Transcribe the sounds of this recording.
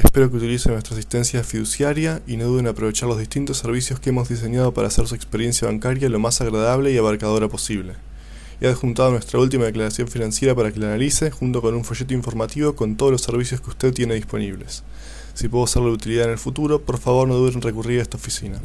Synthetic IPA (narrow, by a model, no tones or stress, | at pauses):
espe̞ɾo̞k̬eut̪ilisenwest̪ɾaːs̬ist̪e̞nsjafiðusjaɾjaino̞ðuðenapɾo̞β̞e̞t͡ʃaɾlo̞zðiht̪int̪o̞sːeɾβ̞isjo̞skeemo̞zðis̬e̞ɲað̞o̞paɾa̰ːseɾsuekspeɾje̞nsjaβaŋkaɾjalo̞masaɣɾaðaβ̞le̞iaβaɾkað̞o̞ɾapo̞siβle̞ | iaðxunt̪að̞onwe̞st̪ɾault̪̬imaðeklaɾasjo̞ɱfinãnsje̞ɾapaɾakelanalise̞xunt̪o̞ko̞nuɱfo̞ʃe̞t̪oĩɱfo̞ɾmat̪iβo̞ko̞nt̪oð̞olosːeɾβ̞isjo̞skeu̥st̪eðt̪je̞neðispo̞̰niβ̞le̞sː | ipweðoaseɾlaut̪iliðaðene̞lfut̪uɾo̞po̞ɾfaβo̞ɾnoðeenrekuriɾaest̪aofisina